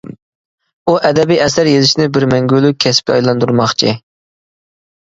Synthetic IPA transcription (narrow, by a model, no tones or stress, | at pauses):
uʔɛd̪ɛbiɛsæɾjezɪʃnɪbɪɾmɛŋɡʲylˠykʲʰɛsp̚iɑjlˠɑnd̪uɾmɑχt͡ʃʰi